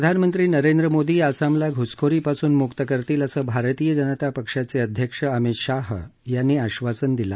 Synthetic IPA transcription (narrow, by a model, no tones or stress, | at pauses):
ɾəd̪ʱanmənt̪ɾiːnəɾend̪ɾəmod̪iːasamlaɡʱut͡skʰoɾiːpasuːnmukt̪əkəɾt̪iːləsəːbʱaɾt̪iːjəd͡ʑənət̪apəkʂat͡seəd̪ʱjəkʂəəmit̪ɕaɦjanːiːaɕʋasənd̪ila̰